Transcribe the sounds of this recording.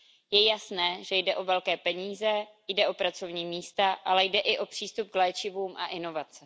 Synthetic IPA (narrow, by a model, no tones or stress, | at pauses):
jɛjasnɛːʒɛjdɛʔo̞vɛlkɛːpɛɲiːzɛjdɛʔo̞pɾat͡so̞vɲiːmiːst̪aʔalɛjdɛʔɪʔo̞pr̝̥iːst̪up̚klɛːt͡ʃɪvuːmʔa̰ʔɪno̞vat͡sɛ